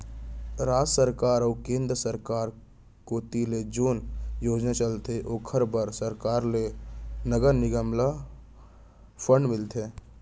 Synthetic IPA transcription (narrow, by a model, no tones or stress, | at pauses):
ɾaːd͡ʒsəɾkaːɾɔːkẽːnd̪ɾəsəɾkaːɾ | koːt̪iled͡ʒoːnjoːd͡ʒnat͡ʃəlt̪eʔoːkʰəɾbəɾsəɾkaːɾlenəɡəɾnɪɡəmla | pʰə̃ɳɖmɪlt̪ʰeː